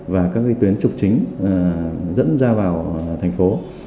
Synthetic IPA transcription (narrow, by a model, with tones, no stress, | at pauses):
vaː˨˩kaː˦˥k̚ʔi˧t̪wi˨˦ənt͡ɕʊ˨˩k͡p̚t͡ɕï˨˦ŋ̟˨˩ | zə̰˧˥nzaː˧vaː˨˩wt̪ʰɛ˨˩jŋ̟fo˨˦